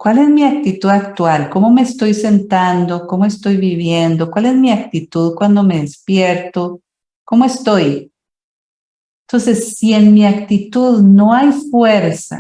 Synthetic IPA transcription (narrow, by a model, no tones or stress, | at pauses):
kwale̞zmiak̚t̪it̪uðak̚t̪walko̞mo̞meːst̪o̞jse̞nt̪and̪o̞komoest̪o̞jβiβje̞nd̪okwale̞zmiak̚t̪it̪uðkwand̪o̞me̞ðespjeɾt̪o | ko̞moest̪o̞j | nt̪o̞nse̞sːie̞nmiakt̪it̪uðno̞ajfweɾsa̰